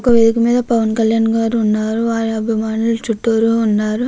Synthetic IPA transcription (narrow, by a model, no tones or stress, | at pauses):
kɐʋed̪ikɐmiːd̪ɐpɐʋɐnkɐljaːnɡaːɾuːnːaːɾuʋaːɾiɐbʱimaːnulut͡ʃuʈːoːɾuunːaːɾu